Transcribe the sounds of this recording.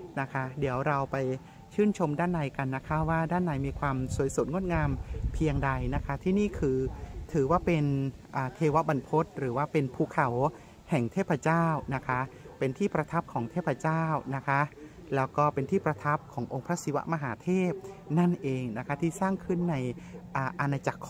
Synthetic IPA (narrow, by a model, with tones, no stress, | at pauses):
na˦˥kʰa˦˥di˩˦əwɾa˧wpa˧j | t͡ɕʰɯː˥˩nt͡ɕʰo˧mdaː˥˩nːa˧jka˧nːa˦˥kʰa˦˥waː˥˩daː˥˩nːa˧jmiː˧kʰwaː˧msu˨˩˦jsu˨˩˦t̪̚ŋo˥˩t̪̚ŋaː˧mpʰi˧əŋda˧jna˦˥kʰa˦˥t̪ʰiː˥˩niː˥˩kʰɯː˧t̪ʰɯː˩˦waː˥˩pe˧n | ʔaː˨˩t̪ʰeː˧wa˦˥ba˧npʰo˦˥t̪̚ɾɯː˩˦waː˥˩pe˧npʰuː˧˩kʰa˩˦w | hɛ˨˩ŋt̪ʰeː˥˩pʰɾa˧t͡ɕaː˥˩wna˦˥kʰa˦˥pe˧nt̪ʰiː˥˩pɾa˧t̪ʰa˦˥p̚kʰɔː˩˦ŋt̪ʰeː˥˩pʰːɾa˧t͡ɕaː˥˩wna˦˥kʰa˦˥ | lɛː˦˥wkɔː˥˩pe˧nt̪ʰiː˥˩pɾa˧t̪ʰa˦˥p̚kʰɔː˩˦ŋʔo˧ŋpʰɾa˦˥si˧˦wa̰˦˥ʔma˧ɦaː˩˦t̪ʰeː˥˩p̚na˥˩nʔeː˧ŋna˦˥kʰa˦˥t̪ʰiː˥˩saː˥˩ŋkʰɯ˥˩nːa˧jʔaː˨˧˩ʔa˧na˧t͡ɕa˨˩kʰː